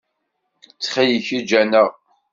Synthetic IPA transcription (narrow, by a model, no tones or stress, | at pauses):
t͡sːχijiçid͡ʒænəʁ